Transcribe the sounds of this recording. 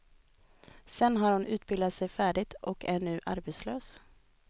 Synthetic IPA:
sɛnːɦaɾhʊnʔʉ̟ːt̪̚bɪld̪at̪sɛjfæːɖɪt̪ɔkæɳʉ̟ːʔa̰ɾbɛt̪sløːs

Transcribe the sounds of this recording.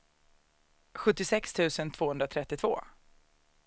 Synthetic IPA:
ɧɵt̪ːɪsɛkst̪ʰʉ̟ːsənt̪ʰv̥oːhɵnd̪ɾat̪ʰɾɛt̪ːɪt̪ʰvo̰ː

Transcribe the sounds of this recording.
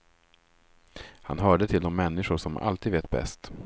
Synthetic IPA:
ha̰nɦœːɖət̪ʰɪld̪ɔmːɛnːɪɧʊʂɔma̰lt̪ʰiːd̪veːt̪̚bɛ̰st̪

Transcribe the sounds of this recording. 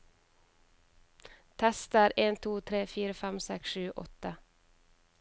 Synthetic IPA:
t̪ʰɛst̪əɾeːnt̪ʰuːt̪ʰɾeːfiːɾəfæmsɛksʃʉːʔɔ̰t̪ə

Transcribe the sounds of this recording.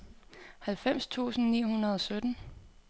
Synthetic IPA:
hælfem̰st͡sʰṵːsn̩nḭːhunɐð̞ˠɒ̽sød̥n̩

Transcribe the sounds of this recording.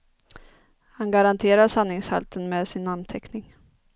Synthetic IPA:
hanɡaɾant̪ʰeːɾaʂanːɪŋsha̰lt̪ʰənmeːd̪sɪnant̪ʰɛknɪŋ

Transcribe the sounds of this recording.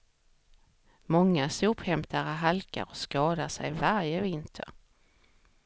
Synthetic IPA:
mɔŋːasuːphɛmt̪ʰaɾəɦalka̰ɾɔskɑːd̪aʂɛ̰jvaɾjəvɪnt̪ʰə̰ɾ

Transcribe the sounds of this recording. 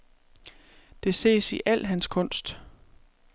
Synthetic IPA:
d̥e̝se̝̰ːsiʔæl̰ɦænskʰɔ̽n̰sd̥

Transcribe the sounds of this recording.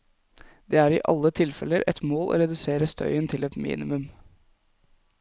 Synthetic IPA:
d̪̥eːæːɾɪʔɑlːət̪ʰɪlfɛləɾʔɛt̪moːlʔo̰ːɾɛd̪ʉseːɾəst̪ʰœ̰ʏənt̪ʰɪlɛt̪mḭːnɪmʉm

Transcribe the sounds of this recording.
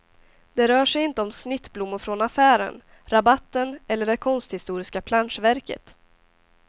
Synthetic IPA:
d̪ɛɾœːʂɛjɪnt̪əɔmsnɪt̪ːblʊmːʊɾfɾɔnafæːɾə̰n | ɾabat̪ːənʔɛlːəɖɛkʰɔnst̪hɪst̪uːɾɪskapʰlanʂvæɾkə̰t̪

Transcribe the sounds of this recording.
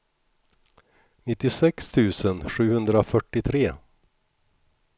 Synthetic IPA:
nɪt̪ːɪsɛkst̪ʰʉ̟ːsənɧʉ̟ːhɵnd̪ɾafœʈːɪt̪ʰɾeː

